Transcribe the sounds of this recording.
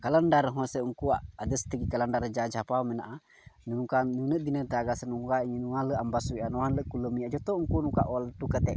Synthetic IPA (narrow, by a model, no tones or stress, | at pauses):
kaləndaɾəɦɔ̃səuŋkuaʔadəst̪əɡikaləndaɾəd͡ʒad͡ʒapamənaʔa | nənukanunəʔd̪inədaɡasənukaɲnualəʔambasuiʔanɔanləʔkuləmiad͡ʒɔt̪ɔuŋkunuka̰ʔɔlt̪ukət̪ɛʔ